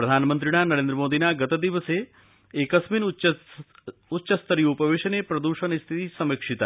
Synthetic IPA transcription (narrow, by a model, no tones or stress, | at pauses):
pɾɐd̪ʱaːnmənt̪ɾiɽanɐɾend̪ɾəmoːd̪inaɡɐt̪ɐd̪iʋəse | eːkɐəsmin | utːʃəst̪əɾiupəʋeʃənepɾɐd̪uʃənist̪ʰit̪isɐmekʂit̪a